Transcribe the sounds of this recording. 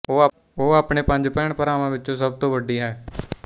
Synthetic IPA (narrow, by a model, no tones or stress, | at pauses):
oː | oːaːpɳeːpə̃ɲd͡ʒpɛ̃ːɳpəɾaːmãːʋɪtːt͡ʃõːs̬əb̚t̪õːʋəɖiːɦɛː